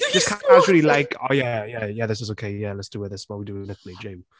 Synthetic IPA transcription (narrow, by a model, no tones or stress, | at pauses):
ʒ̥ʌskʰãɪ̃nad͡ʒəlˠilaɪkʰoʊjæjæjæðɪs̬ɪzoʊkʰeɪjælɛtsd̥əwɪðɪtswɔwidəɪ̃ŋlɪθlid͡ʒẽɪ̃m